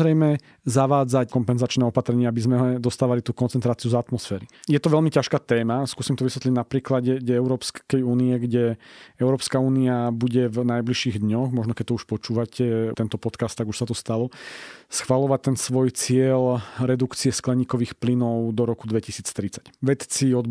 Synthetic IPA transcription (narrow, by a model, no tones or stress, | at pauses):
ɾɛjmɛ | zaʋaːd͡zackɔmpɛnzat͡ʃnɛɔpat̪ɾɛɲɪaabizmɛɔd̪ɔst̪aːʋalit̪uːkɔnt͡sɛnt̪ɾaːt͡siuzat̪mɔsfɛːɾijɛt̪ɔʋɛlmicaʃkaːt̪ɛːmaskuːsiːmt̪ɔʋisʋɛt̪liɟnapɾiːklaɟɛɟɛɛʊɾɔːpskɛjuːniɛɡɟɛɛʊɾɔːpskauːniabuɟɛvnajbliʃiːɣd̪ɲɔɣmɔʒnɔkɛc̚t̪ɔuʃpɔt͡ʃuːʋacɛt̪ɛnt̪ɔpɔt̪kast̪ːaɡuʃsat̪ɔst̪alɔsxʋalɔʋac̚t̪ɛnsʋɔjt͡sɪɛlɾɛd̪ukt͡siɛsklɛɲiːkɔʋiːxplinɔʊd̪ɔɾɔkud̪ʋɛcisiːt͡st̪ɾit͡sḁcʋɛt̪t͡siɔd̪